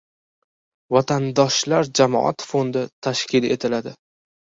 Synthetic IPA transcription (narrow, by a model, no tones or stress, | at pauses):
vat̪ʰand̪ɒʃlaɾd͡ʒamɒ̰ʔa̰t̪fond̪ɪt̪ʰaʃkʲɪle̞̰t̪ʰɪlad̪ɪ